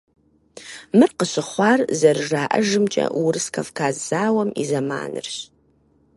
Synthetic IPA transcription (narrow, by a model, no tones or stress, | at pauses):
mɨrqəɕɪχʷɑːrzɐrɨʐaːʔɐʒɨmt͡ʃʼɐ̰wrɨskʰɐfkʰaːzz̥aːwɐmḭzɐma̰ːnɨ̰rɕ